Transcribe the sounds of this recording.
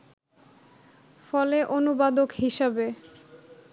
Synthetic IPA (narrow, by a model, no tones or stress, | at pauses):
fɔleʔonubad̪okɦiʃabe